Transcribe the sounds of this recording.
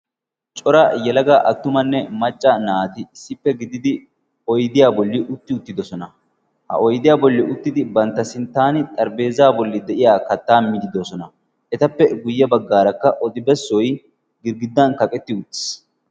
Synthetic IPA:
t͡ʃʼɔɾɐjɛlɐɡaʔɐt̪ːʊmɐnːɛmɐt͡ʃʼːɐnaːt̪ɪɪsːɪpːɛɡɪd̪ɪd̪ɪ | ɔjd̪ɪjaːbɔlːɪʔʊt̪ːɪʊt̪ːɪd̪ɔsɔnɐ | hɐ̰ɔjd̪ɪjaːbɔlːɪʔʊt̪ːɪd̪ɪbɐnt̪ːɐsɪnt̪ːaːnɪt̪ʼɐɾbe̞ːzaːbɔlːɪd̪ɛʔɪjaːkɐt̪ːaːmɪd̪ɪd̪osɔnɐ | ʔɛt̪ɐpːɛɡʊjːɐbɐɡːaːɾɐkːɐʔɔd̪ɪbɛsːɔj | ɡɪɾɡɪd̪ːɐnkɐkʼɛt̪ːɪʊt̪ːɪ̥s

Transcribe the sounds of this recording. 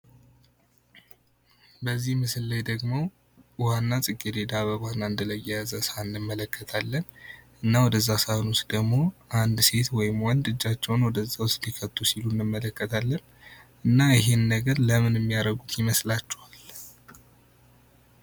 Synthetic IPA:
bəzːihmɨsɨlːəjd̪əɡmo̞ | wanːasʼɨkʼːid̪ed̪aβəβhanːaɨnd̪ələjɛjazəsannːɨmːələkːət̪ʰalːən | ɨnːawɔd̪əzːasahnust̪d̪əɡmo̞ʔand̪se̞t̪wɔjɪmwɔnd̪ɨd͡ʒːat͡ʃːɛwnwɔd̪əzːawʊst̪likʰət̪ʰʼːusilunːɨmːələkːət̪ʰalːən | ɨnːaɪɦe̞nːəɡəɾləmɨnɛmːijaɾəɡut̪jɪməslat͡ʃːɛwal

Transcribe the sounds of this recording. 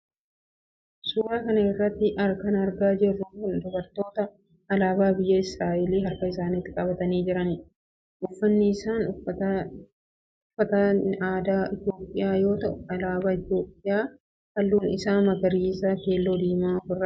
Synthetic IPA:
suːɾaːkɐnɐɪrːɐt̪ːɪʔɐɾkɐnɐɾɡaːd͡ʒɪrːʊʊnd̪ʊbɐɾt̪o̞ːt̪ɐ | ɐlaːbaːbɪjːɐɪsɾaːʔɪliːɦɐɾkɐɪsaːnɪt̪ːɪkʼɐbɐt̪ɐniːd͡ʒɪɾɐnɪ | ʔʊfːɐnːɪːsaːnʊɐ | ʊfːɐt̪ɐaːd̪aːʔɪt̪jo̞ːpʼːɪjaːjo̞ːt̪ɐʔʊɐlaːbaːɪt̪jo̞ːpʼːɪjaː | hɐlːuːnɪsaːmɐɡɐɾiːsaːke̞ːlːo̞ːd̪iːmaːfʊrːɐ

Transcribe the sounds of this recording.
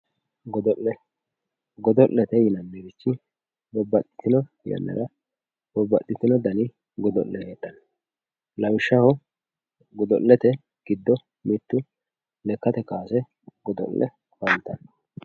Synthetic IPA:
ɡ̪ | ɡɔd̪ɔlːɛt̪ɛjɪnɐnːeɾɪt͡ʃːɪ | bɔbːɐt̪ʼːɪ̥t̪ːɪnɔ | jɐ̰nːɐ̰ɾɐ | bɔbːɐ̰t̪ʼːɪt̪ːɪnɔd̪ɐnɪ | ɡɔd̪ɔ̰ʔːɛheːt̪ːɐn | lɐwɪʃːɐhɔ | ɡɔd̪ɔ̰lːɛt̪ɛ | ɡ̥ɪd̪ːɔ | mɪt̪ːʊ | lɛkːɐt̪ɛkaːsɛ | ɡɔd̪ɔ̰lːʔɛ̰ | wɐnt̪ːɐn

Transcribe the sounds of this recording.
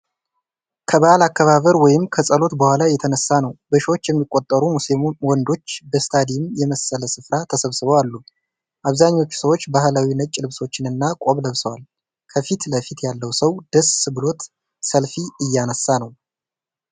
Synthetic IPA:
kʰəβaʔlakːaβaβəɾwɔjɪmkʰəsʼəlo̞t̪bəhʷalajɛt̪ʰənəsːanəwbəʃiwot͡ʃːjɛmːikʼːo̞t̪ʼːəɾumusewɔnd̪o̞t͡ʃːbəst̪ʰad̪ijɪmjɛməsələsɨfɾat̪ʰəsəβsɨβəwalːu | ʔaβzaɲːo̞t͡ʃːu̥səwo̞t͡ʃːbahlawinət͡ʃʼlɨβso̞t͡ʃːɪnɨnːakʼo̞βləβsəwal | kʰəfit̪ləfit̪jalːəwsəwd̪̥əssɨβɨlo̞t̪ | səlfiɨjːanəsːanəw

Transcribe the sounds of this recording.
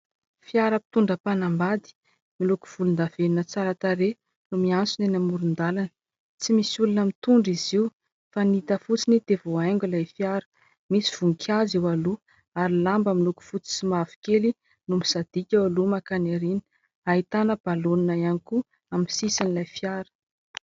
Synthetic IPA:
fiaɾəpi̥t̪uɳɖ͡ʐəpanambad̪i̥ | miluku̥v̥ulund̪av̥enunət͡saɾat̪aɾe | numiant͡sunenamuɾund̪alanə | t͡simisulunəmit̪uɳɖ͡ʐiziw | fanit̪əfut͡sinid̪̥evoaŋɡʲulajfiaɾə̥ | misiv̥uŋkʰʲaziwalu | aɾilambəmiluku̥fut͡si̥simavi̥keli | numisad̪̥ikʲawalumakanaɾini̥ | aɦit̪anəb̥aloninaianiku | amsisanilajfiaɾə̥

